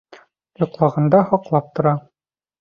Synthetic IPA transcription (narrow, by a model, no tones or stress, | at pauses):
jŏqlˠɑʁɑnd̪ɑhɒqlˠɑp̚t̪ŏɾɑ